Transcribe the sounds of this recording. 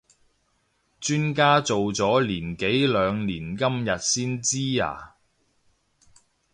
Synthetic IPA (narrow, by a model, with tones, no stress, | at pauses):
t͡ʃyː˥nkaː˥t͡so˨wt͡sɔː˨˥liː˨˩nke˨˥jlœː˨˧ŋliː˨˩nkɐ˥mjɐ˨t̚siː˥nt͡siː˥a̰ː˨˩